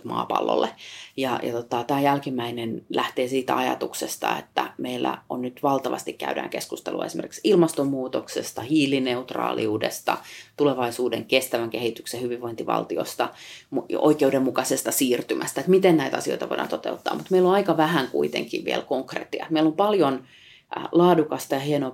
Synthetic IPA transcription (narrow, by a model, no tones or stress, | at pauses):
mɑ̰ːpɑ̰lːo̰lːejɑjɑ̰t̪ot̪ɑt̪æːjælkimːæinenlʔæht̪eːsiːt̪æɑjɑ̰t̪uksest̪ɑ̰ḛt̪ːæ̰meilːæ̰onnyt̪ʋɑlt̪ɑʋɑ̰st̪ikkæydæ̰ːŋkeskust̪eluɑesimerki̥ksilmɑst̪omːuːt̪oksest̪ɑhiːlineut̪rɑ̰ːlḭuːdest̪ɑ̰t̪uleʋɑisuːdeŋkest̪æʋæŋkehit̪yksehyʋiʋʋoint̪iʋɑ̰lt̪io̰st̪ɑmuo̰ikeudemːukɑsest̪ɑsiːrt̪ymʔæst̪æet̪mit̪ennæit̪æɑsio̰it̪ɑʋo̰iɾdɑ̰nt̪ot̪eut̪ːɑ̰ːmut̪meilːonɑikɑʋæhæŋkṵit̪ḛŋkiʋʋḭelkoŋkrḛːt̪ːiɑ̰et̪meilompɑljon | lɑːdukɑst̪ɑjɑhienoː